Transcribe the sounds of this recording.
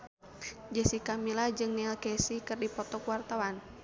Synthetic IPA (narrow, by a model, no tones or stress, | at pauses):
d͡ʒəsikamilad͡ʒɨŋniɛlkɛsikɨrdipɔt̪ɔkuwart̪awan